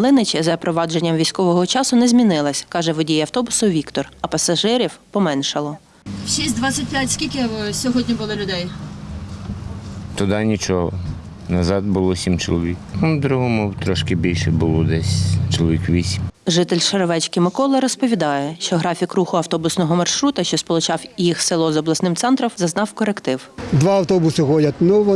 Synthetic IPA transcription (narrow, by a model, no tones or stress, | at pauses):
lˠɪnɪt͡ʃʲɐzɐpɾɔʋɑd͡ʒenʲːɐmʋʲijsʲkɔʋɔɦɔt͡ʃɑsʊnɛzʲmʲinɪlˠɐsʲkɑʒɛʋɔdʲijɐwt̪ɔbʊsʊʋʲikt̪ɔrɐpɐsɐʒɪɾʲiwpɔmɛnʃɐlˠɔ | ʃisʲd̪ʋasʲɐt̚ʲpʲjatʲsʲkʲilʲkɪbɔsʲɔɦɔdʲnʲibʊlˠɪlʲʊd̪ɛj | t̪ʊd̪ɑnʲit͡ʃɔɦɔ̰ | nɐzɑd̪bʊlˠɔsʲimt͡ʃɔlˠɔʋʲiknud̪ɾuɦɔmuwt̪ɾɔʃkɪbʲilʲʃɛbʊlˠɔd̪ɛsʲt͡ʃɔlˠɔʋʲikʋʲisʲimʒɪt̪elʲʃɐɾɔʋɛt͡ʃkɪmɪkɔlˠɐɾɔspɔʋʲid̪ɑjɛʃt͡ʃɔɦɾɑfʲikruxʊɐwt̪ɔbʊsnɔɦɔmɐrʃɾut̪ɐʃt͡ʃɔspɔlˠʊt͡ʃɑwjixsɪlˠɔzɔblˠɐsnɪmt̪sɛnt̪ɾɔmzɐznɑwkɔɾekt̪ɪwd̪ʋɑɐwt̪ɔbʊsɪxɔdʲɐt̪nʊʋ